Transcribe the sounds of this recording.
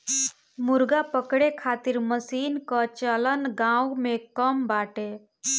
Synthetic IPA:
muɾɡapəkɽekʰat̪iɾməsinkət͡ʃələnɡãwmekəmbaʈe

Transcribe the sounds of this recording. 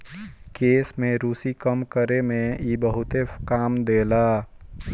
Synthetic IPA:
keːsmẽɾuːsikəmkəɾemẽiːbəɦʊt̪ekaːmd̪eːlaː

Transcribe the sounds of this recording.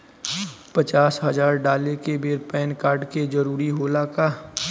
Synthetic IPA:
pɐt͡ʃaːsɦɐzaːɾɖaːlekebeːɾpɛːnkaːɾɖked͡ʒɐɾuːɾiɦoːlaːkaː

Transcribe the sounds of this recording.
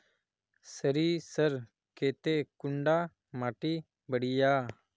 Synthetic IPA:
səɾiːsəɾ | keːt̪ekʊɳɖaː | maːʈiː | bəɽijaː

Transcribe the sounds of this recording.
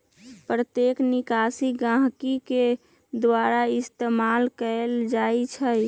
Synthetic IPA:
pɾət̪jeknɪkaːsiɡãɦkike | d̪waɾaɪst̪emalkəld͡ʒait͡ʃʰə

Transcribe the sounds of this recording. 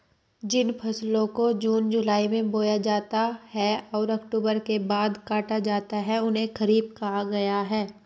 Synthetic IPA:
d͡ʒɪnpʰɐslõkod͡ʒuːnd͡ʒʊlaːimẽboːjad͡ʒaːt̪ahɛɔːɾɐkʈuːbəɾkebaːd̪kaːʈad͡ʒaːt̪aɦɛʊnɦẽxɐɾiːb̚kaɦaɡɐjaɦɛː

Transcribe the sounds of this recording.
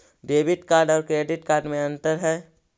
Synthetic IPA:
ɖeːbɪʈkaːɾɖɔːɾkɾeːɖɪʈkaːɾɖmẽɐ̃nt̪əɾɦɛː

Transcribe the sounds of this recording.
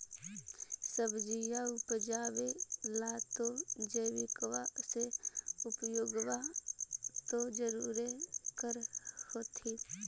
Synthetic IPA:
səbd͡ʒijaʊpd͡ʒaːwelaːt̪od͡ʒəʋɪkwaseʊpjoːɡwa | t̪od͡ʒəɾuːɾekəɾhoːt̪ʰi

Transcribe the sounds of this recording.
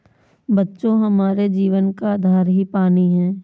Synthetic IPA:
bɐtːʃõɦɐmaːɾed͡ʒiːʋənkaːd̪ʱaːɾɦipaːniɦɛ̃ː

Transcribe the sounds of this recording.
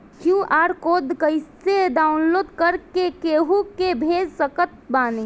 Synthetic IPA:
kʰjuʔaːɾkoːd̪kəɪseɖaːʊnloːd̪kəɾkekeɦukebʱeːd͡ʒsəkət̪̚baːni

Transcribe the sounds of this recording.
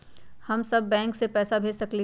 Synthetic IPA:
hɐmsɐbːɛ̃ːŋksepɛːsabʱeːsɐkle

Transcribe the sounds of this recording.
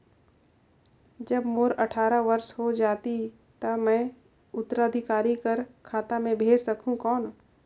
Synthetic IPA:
d͡ʒɐbmoːɾɐʈʰaːɾaʋɐɾsɦod͡ʒaːt̪i | t̪ɐmɛ̃ː | ʊt̪ːəɾaːd̪ʱɪkaːɾikɐɾkʰaːt̪amẽbʱeːd͡ʒsɐkʰũkɔːn

